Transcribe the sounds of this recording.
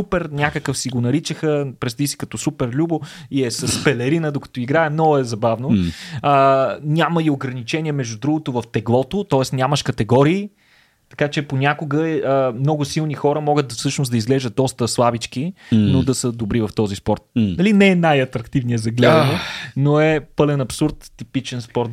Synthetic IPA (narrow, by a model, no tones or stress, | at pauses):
supɛɾnʲakəkəfsiɡonɐɾit͡ʃəxəpɾɛst̪isi̥kɐt̪ɔsupɛɾlʲubo | iɛsɐspɛlɛɾinəd̪okɐ̥t̪ɔiɡɾaɛmnɔɡʊɛzɐbavnoənʲaməioɡɾɐnit͡ʃɛnʲiɛmɛʒd̪ʊd̪ɾuɡot̪ovɐft̪ɛɡlˠɔt̪ot̪ɔɛsnʲaməʃkɐt̪ɛɡɔɾiː | t̪ɐ̥kat͡ʃɛponʲakoɡəəmnɔɡʊsilˠnixɔɾəmɔɡət̪fsɤʃnosd̪ɐizɡlɛʒət̪̚d̪ɔst̪əslˠabit͡ʃk̟inod̪ɐsəd̪obɾivɐft̪ɔzispɔɾt̪̚nɐlinɛnajɐt̪ɾɐkt̪ivniɛzɐɡlɛd̪nonoɛpɤlɛnɐpsuɾt̪ːipit͡ʃɛnspɔɾt̪